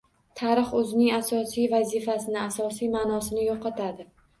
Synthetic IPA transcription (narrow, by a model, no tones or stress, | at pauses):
t̪ʰaɾɨχɵzɪnɪŋasɒsijvazifasɪnɪasɒsijmanɒsɪnɪjɒqɑt̪ʰad̪ɪ